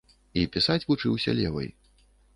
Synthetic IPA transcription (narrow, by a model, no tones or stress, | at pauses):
ipʲisat͡sʲvut͡ʂɨwsʲɐ̰lʲɛ̰vɐ̰j